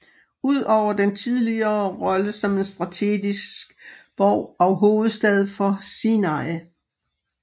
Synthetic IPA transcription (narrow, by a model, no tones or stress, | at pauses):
uð̰ˠɒʊ̰ɐd̥ent͡sʰið̞ˠliɐːʁɒ̽ləsɒ̽me̝nsd̥ʁɑ̈t͡sʰe̝̰ɡ̥isɡ̥b̥ɒʊ̰ɒ̽ʊɦo̝ːð̩ˠsd̥ɛð̞ˠfɒ̽sinɑɪ